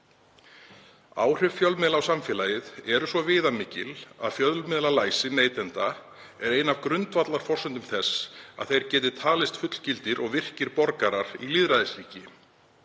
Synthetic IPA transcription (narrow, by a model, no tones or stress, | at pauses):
a̰ːwr̥ʏvfjœlmɛðlawsamfjɛːlajɪðɛɾʏsvɔvɪːðamɪːcɪla̰ðfjœðlmɛðlalaːjsɪnejt̪ɛnt̪a | ɛɾeːjnavkɾʏnt̪vat̪laɾ̥fɔr̥sʏnt̪ʏmθɛsa̰ðθejɾ̥cɛːt̪ɪt̪ʰaːlɪst̪fʏt̪l̥cɪlt̪ɪɾʔɔɣvɪr̥cɪɾpɔɾkaɾaɾ̥iliðɾaðɪsliːcɪ